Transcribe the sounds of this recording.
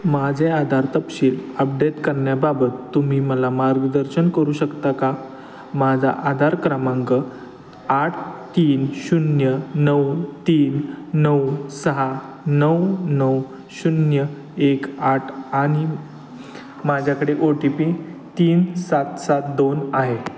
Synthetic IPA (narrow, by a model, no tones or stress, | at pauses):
mad͡ʑʱead̪ʱaɾt̪əpɕiːləp̚ɖeʈkəɾɳjababət̪ːum̤iːməlamaɾɡd̪əɾɕənkəɾuːɕəkt̪aka | mad͡zʱa̰ʔad̪ʱaɾkɾamãŋɡə | aʈʰt̪iːnɕunjənəwt̪iːnːəwsəɦa | nəwnəw | ɕunjə | ekaʈʰaɽ̃i | mad͡ʑʱjakəɽeʔoʈipit̪iːnsat̪sat̪̚d̪onaɦe